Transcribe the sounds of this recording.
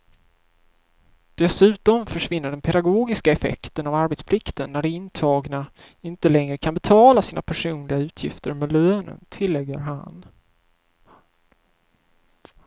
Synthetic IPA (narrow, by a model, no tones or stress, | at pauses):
d̪̥ɛsʉ̟ːt̪ɔmfœʂvɪnːəɖɛnpʰɛd̪aɡoːɡɪskaɛfɛ̰kt̪ənavaɾbɛt̪spʰlɪkt̪ənːæɖɛɪnt̪ʰɑːɡna | ɪnt̪əlɛŋɾəkʰanbɛt̪ʰɑːlasiːna̰pʰæʂuːnlɪɡaʉ̟ːt̪ʰjɪ̰ft̪əɾmɛløːnə̰nt̪ʰɪlːɛɡːə̰ɾɦa̰n